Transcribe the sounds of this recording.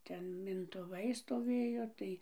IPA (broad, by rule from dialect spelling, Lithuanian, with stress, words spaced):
ˈtʲɛn mʲɪntʊˈʋɐɪ stoːˈʋʲeːjoː ˈtɐɪ